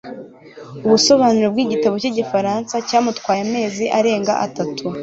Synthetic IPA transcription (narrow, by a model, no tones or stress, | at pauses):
uβuso̞βaːnuɾob̚ɡwiɟitaβo̞ciɟifaɾansacaːmutkwaːjame̞ːziʔaɾe̞ːŋɡa̰ʔatatʰu